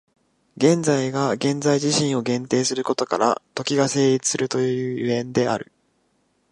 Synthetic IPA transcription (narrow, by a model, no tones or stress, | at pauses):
ɡẽ̞nd͡zaiɡaɡẽ̞nzaiʑiɕĩɰ̃o̞ɡẽ̞nt̪e̞ːsɨɾɯ̟ko̞t̪o̞kaɾa̰t̪o̞kʲiɡase̞ːɾʲit͡sɨ̥sɨɾɯ̟t̪o̞jɯjɯ̟ːjɯẽ̞nd̪e̞a̰ɾɯ̟̰